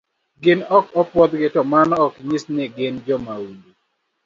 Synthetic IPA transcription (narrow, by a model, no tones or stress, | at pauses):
ɡɪnɔkɔpwɔd̪ɡɪtɔmanɔɔkɲisneɡɪnd͡ʒɔmawulu